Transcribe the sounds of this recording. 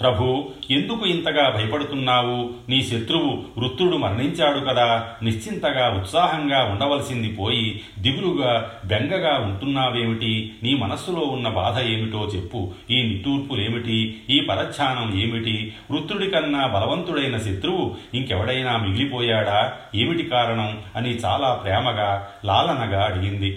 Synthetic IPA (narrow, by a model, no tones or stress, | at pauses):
pɾɐbʱue̞nd̪ukuint̪ɐɡaːbʱɐjɐpɐɽut̪unːaːwuniːʃe̞t̪ɾuwuɾut̪ɾuɽumɐɾɳiɲt͡ʃaːɽukɐd̪aːniʂt͡ʃint̪ɐɡaːut̪saːɦɐŋɡaːuɳɖɐʋɐlɐsind̪ipoːji | d̪iʋɾuɡaːbeŋɡɐɡaːuɳʈunːaːʋe̞ːmiʈiniːmɐnɐsulo̞ːunːɐbaːd̪ʱɐeːmiʈo̞ːt͡ʃe̞pːuiːniʈːuːɾpule̞ːmiʈiiːpɐɾɐt̪t͡ʃʰaːnɐme̞ːmiʈiʋɾut̪ɾuɽikɐnːɐbʱɐlɐʋɐnt̪uɽɐjnɐʃet̪ɾuʋuiŋkɛʋɐɽɐjnaːmiɡilipɔːjaːɽaː | e̞ːmiʈikaːɾɐɳɐmɐnit͡ʃa̰ːlaːpɾɛːmɐɡaː | laːlɐnɐɡaːɐɽiɡind̪i